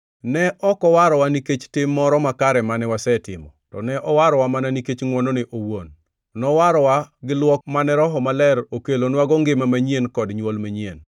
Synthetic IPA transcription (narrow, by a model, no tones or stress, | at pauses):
nɛʔɔkɔwaɾɔwaniket͡ʃtɪmːɔɾɔmakaɾɛmanɛwasɛtɪ̰mɔ̰tɔ̰nɛʔɔwaɾɔwamananiket͡ʃŋwɔnonɪʔowon | nɔwaɾɔwaɡɪlwɔkmanɛɾɔɦɔmalɛɾokelonwaɡɔŋɡɪmamaɲienkɔdɲwolmaɲien